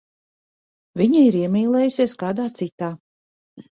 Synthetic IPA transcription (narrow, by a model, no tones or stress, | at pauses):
vʲiɲiiɾiɛmʲiːlˠɛːjusʲiɛskaːd̪aːt̪sit̪aː